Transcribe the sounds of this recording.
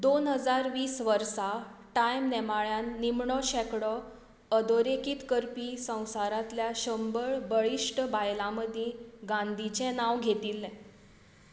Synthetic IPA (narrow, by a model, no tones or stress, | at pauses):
d̪onɦəd͡zaɾʋiːsʋəɾsaʈajmnɛmaɭjanːimɳɔɕɛkɽɔ | əd̪oɾekiːt̪kəɾpisə̃w̃saɾat̪ljaɕəmbəɭbəɭiʂʈbajlãməd̪ʱjẽɡãnd̪ʱit͡ɕɛ̃naʋɡʱet̪ilːɛ̃